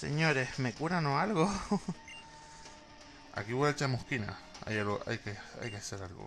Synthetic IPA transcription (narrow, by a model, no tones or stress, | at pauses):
sḛɲoɾesmekuɾanoalɣo | a̰kiweet͡ʃamohkina̰ | a̰jaloa̰jkea̰jkeaseɾalɣo̰